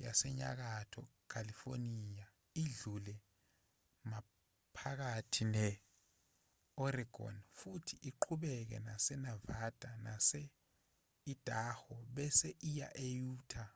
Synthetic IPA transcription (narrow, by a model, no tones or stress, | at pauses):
ja̰sɛɲa̰k̬atʰɔkʰalifo̰nija | iɮulɛ | ma | pʰak̬atʰinɛ | ɔriɡ̥ʱɔ̰nfutʰiʔiǃʰuɓɛk̬ɛ̰nasɛnavad̥ʱanasɛ | id̥ʼʱahɔɓɛsɛʔija̰ʔejuːtʰa